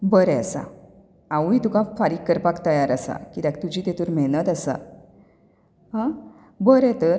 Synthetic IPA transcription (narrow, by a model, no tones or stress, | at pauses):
bəɾɛəsa̰ | awit̪ukãfaɾiːkːəɾpakt̪əjaɾasa̰kit̪ak̚t̪ud͡ʑʱiːt̪et̪uɾm̤ɛɭnət̪asa̰ | ɦã | bəɾɛt̪əɾ